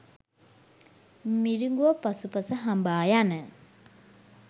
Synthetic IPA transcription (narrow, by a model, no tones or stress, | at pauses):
miɾiŋɡuʋɐpɐsupɐsəɦambaːjanə